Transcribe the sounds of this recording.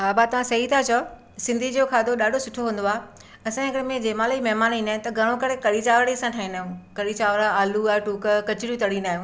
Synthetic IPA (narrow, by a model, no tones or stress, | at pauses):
ɦaːbat̪ɐʋãsɐɦit̪ʰat͡ɕʰɐ | sɪ̃nd̪ʱid͡ʑokʰaːd̪oɗaːɖʱosʊʈʰoɦũːn̆d̪oaː | ɐsãɪkəɽmẽd͡ʑeːmãːlimɐɦmaːnĩːnd̪aːɪ̃nt̪ɐɡʱɐɽ̃õkɐɾekɐɽit͡ɕaːʋəɽiɐsãʈʰaːĩnaːɦjũkɐɽit͡ɕaːʋəɾaaːluaːʈuːkkɐt͡ɕɪɽijũt̪ɐɽinaːɦjũː